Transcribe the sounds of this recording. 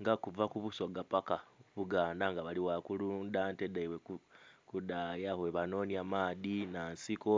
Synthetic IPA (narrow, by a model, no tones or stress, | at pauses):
ŋɡakuvakuβuso̞ɡapakaβuɡaːndaŋɡaβaliwakulundantedaiwekukudajahweβano̞niamaːðinansiko